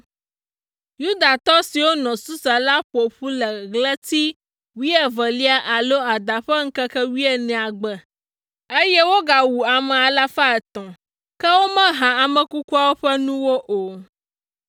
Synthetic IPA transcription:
ju˦d̪a˨t̪ɔ˦si˨wo˦nɔ̃˨su˦sa˨la˦ɸo˨ɸu˦lɛ˨ɣlɛ˦t̪i˦ | wi˦ɛ˨və˨li˦a˦ʔa˨lo˦a˨d̪a˨ɸɛ˦ŋ̩˦kɛ˦kɛ˦wi˦ɛ˨nɛ̃˨a˨ɡ͡bɛ˨ | e˦jɛ˦wo˦ɡa˨wu˨a˨mɛ̃˨a˨la˦fa˦ɛ˨t̪ɔ̃˨ | kɛ˦wo˦mɛ̃˦ɦã˨a˨mɛ̃˨ku˦ku˦a˦wo˦ɸɛ˦nũ˦wo˦ʔo˨

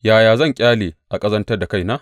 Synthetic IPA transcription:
jaː˨jaː˨zɐ˦˨ŋkʲʼaː˦leː˨ʔa˨kʼɐ˦zɐ˦ntɐ˦rda˨ka˦˨jnaː˦

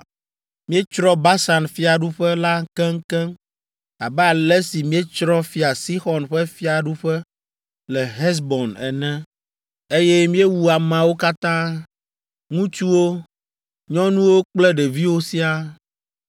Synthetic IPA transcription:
mĩ˦e˦t͡ʃɾɔ˦ba˦sa˨nfi˦a˨ɖu˦ɸɛ˦la˦kɛ̃˦ŋ˦kɛ̃˦ŋ | a˨bɛ˦a˨lɛ˦si˨mĩ˦e˦t͡ʃɾɔ̃˦fi˦a˨si˦xɔ˨nɸɛ˦fi˦a˨ɖu˦ɸɛ˦ | lɛ˨ɦɛ˦s̬bɔ˨nɛ̰˨nɛ̃˦ | e˦jɛ˦mĩ˦e˦wu˦a˨mã˨wo˦ka˦t̪ã˦ | ŋũ˦t͡ʃu˦wo˦ | ɲɔ̃˦nũ˦wo˦k͡plɛ˦ɖe˨vi˦wo˦si˦a˦

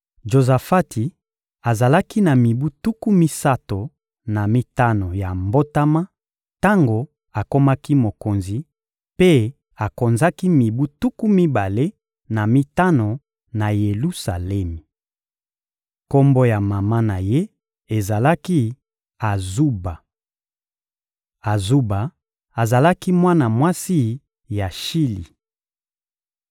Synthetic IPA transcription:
ʒo˨za˨fa˦ti˨ | a˨za˨la˦ki˦na˨mi˨bu˦tu˦ku˦mi˦sa˦to˨ | na˨mi˦ta˦no˨ja˨mbo˦ta˦ma˦ | ta˦ŋɡo˨ | a˨ko˦ma˦ki˦mo˨ko˨nzi˨ | pe˦ | a˨ko˨nza˦ki˦mi˨bu˦tu˦ku˦mi˦ba˨le˦ | na˨mi˦ta˦no˨ | na˨je˨lu˦sa˨lɛ˦mi˨ | ko˦mbo˦ja˨ma˨ma˦na˨je˦ | e˨za˨la˦ki˦ | a˨zu˦ba˨ | a˨zu˦ba˨ | a˨za˨la˦ki˦mwa˦na˨mwa˦si˦ | ja˨ʃi˦lḭ˨

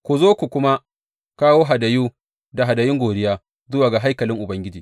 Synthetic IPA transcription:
kʷu˨zoː˦kʷu˨kʷʊ˦ma˦ | kaː˦woː˦ɦa˨dɐ˨juː˦ | da˨ɦa˨dɐ˨jɪ˦ŋɡʷoː˨dɪ˦jaː˦ | zʊ˦waː˨ɡa˨ɦa˦jkɐ˨lɪ˦ŋʔʊ˨bɐ˦ŋɡʲɪ˦d͡ʒiː˨

